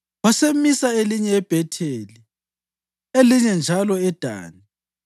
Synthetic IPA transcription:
wasemisaeliɲɛːb̥ʱɛtʰeli | eliɲɛnd͡ʒʱalɔɛd̥ʱa̰ːni

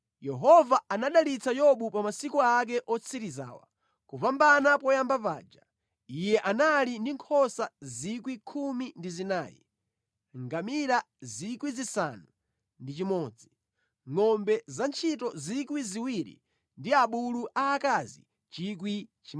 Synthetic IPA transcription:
jɛɦɔvaanaɗalit͡sʰajɔɓupamasikuak̬ɛʔɔt͡sʰiɾiza̰ːwa̰ | kuvambanapɔjambapa̰ːd͡ʒa | ijɛʔanalindiŋkʰɔsazik̬wikʰumindizinaːjɛ̰ | ŋɡamiɾa | zikwizisa̰nu | ndit͡ʃimɔːd͡zi | ŋɔmbɛzant͡ʃʰitɔzikwiziwiɾḭ | ndiaɓuluʔaːkazḭ | t͡ʃik̬wit͡ʃi

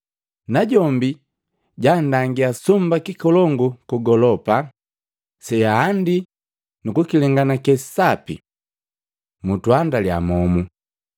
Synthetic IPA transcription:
naɟɔmbi | ɟandaŋɡiasumbakikɔlɔŋɡukuɡɔlɔpa | sɛaːndi | nukukilɛŋɡanakɛssapḭ | mutwandalja̰mɔmu

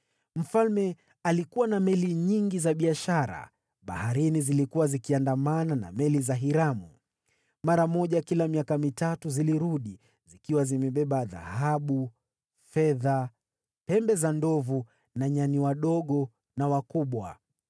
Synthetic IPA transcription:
m̩falmɛ | alikuwanamɛliɲiŋɡizaɓiaʃaɾa̰ | ɓa̰haɾinizilikuwazikiandamanana̰mɛlizaɦiɾamu | maɾamɔʄakilamiakamitatuziliɾuɗi | zikiwazimɛɓɛɓaða̰haɓu | fɛða | pɛmbɛzandɔvu | naɲaniwaɗɔɠɔ | nawakuɓwa̰

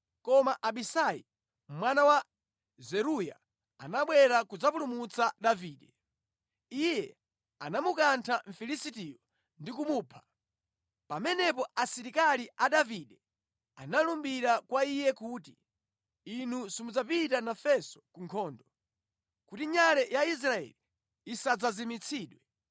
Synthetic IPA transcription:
kɔmaʔaɓisai | mwanawa | zɛɾuja̰ | a̰naɓwɛɾakud͡zapulumut͡saɗaviːɗɛ | ijɛ | anamukantʰaɱ̩filisitijɔ | ndikumuːpʰḁ | pamɛnɛp̬ɔʔasiɾikaliʔaɗaviɗɛ | a̰nalumbiɾakwaijɛkuːtiː | n̤usimud͡zapit̬anafɛsɔ̥kuŋkʰɔːndɔ | kutiɲalɛjais̬ɾaɛ̰liː | sad͡zazimit͡sʰiːɗwɛ

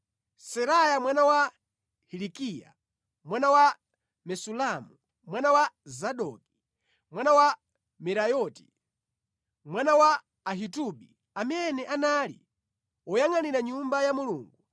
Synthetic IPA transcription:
sɛɾajamwanawa | hilikija̰ | mwanawa | mɛsulamu | mwanawazaɗɔ̰ki̥ | mwanawa | mɛɾajɔti̥ | mwanawaː | ɦituɓḭ | amɛnɛʔanalḭ | ɔjaŋaniɾaɲumbajamuluːŋɡu

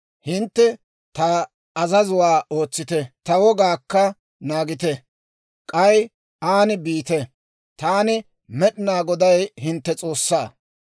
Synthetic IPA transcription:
hɪnt̪ːɛ | t̪ɐ | ɐzɐzʊwaːo̞ːt͡sːɪt̪ɛt̪ɐwɔɡaːkːɐ | naːɡɪt̪ɛ | kʼɐj | aːnɪbiːt̪ɛ | t̪aːnɪ | mɛɗɪnaːɡɔd̪ɐjhɪnt̪ːɛt͡sʼo̞ːsːaː

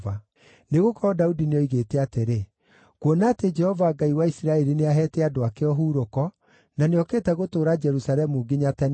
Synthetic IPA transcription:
va | neɣokɔɾɔdaudineɔiɣetɛateɾe | kwonaːted͡ʒɛhɔvaːɡaiwaisiɾaɛɾineaɦɛtɛadoakeɔɦuːɾokɔ | naneɔkeːtɛɣotoːɾad͡ʒɛɾusaɾɛmuɡeɲatɛn

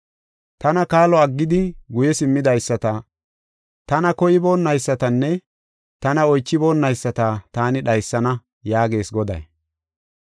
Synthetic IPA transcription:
t̪ɐnɐkaːlɔɐɡːɪd̪ɪɡʊjɛsɪmːɪd̪ɐjsːɐt̪ɐ | t̪ɐnɐkɔjɪbo̞ːnːɐjsːɐt̪ɐnːɛ | t̪ɐnɐɔjt͡ʃːɪbo̞ːnːɐjsːɐt̪ɐt̪aːnɪɗɐjsːɐnɐ | jaːɡe̞ːsɡɔd̪ɐ̰j

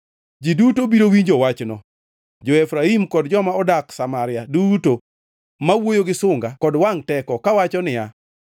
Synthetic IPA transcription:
d͡ʒidutobiɾowind͡ʒowat͡ʃnɔ | d͡ʒɔɛfɾaimkɔdd͡ʒɔmaɔdaksamaɾɪjaduto | mawojoɡɪsʊŋɡakɔdwaŋtɛkɔkawat͡ʃɔnɪja

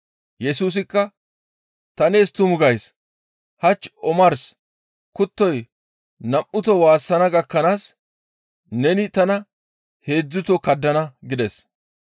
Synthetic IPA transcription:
jɛsuːs̬ɪkːɐ | t̪ɐneːst̪ʊmʊɡɐjs | hɐt͡ʃːɔmɐɾs | kʊt̪ːɔj | nɐmʔʊt̪ɔwaːsːɐnɐɡɐkːɐnaːs | nɛnɪt̪ɐnɐ | he̞ːd͡zːʊt̪ɔkɐd̪ːɐnɐɡɪd̪ɛs

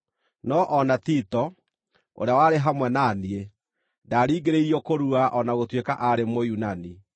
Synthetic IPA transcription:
nɔʔɔnatitɔ | o̰ɾeawaɾeɦamwɛnaːnie | daːɾiːɡeɾeiɾiɔkoɾuaʔɔnaɣotwekaʔaɾemojunani

